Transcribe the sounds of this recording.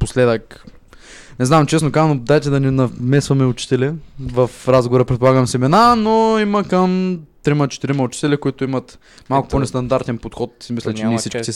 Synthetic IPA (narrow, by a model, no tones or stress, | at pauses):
poslɛd̪ək | nɛznamt͡ʃɛsnokanod̪ajt̪ɛd̪ɐnɛnɐmɛsvɐmɛʊt͡ʃi̥t̪ɛlɛvəfɾazɡovoɾəpɾɛt̪̚polˠaɡəmsimɛnanoiməkəmt̪ɾimɐt͡ʃɛ̥t̪iɾimɐʊt͡ʃi̥t̪ɛlʲikʊit̪ʊimət̪ | malˠkʊ̥ponɛst̪ɐnd̪aɾt̪ɛnpot̪xɔt̪simislʲɛt͡ʃɛnɛsit͡ʃkkisɛ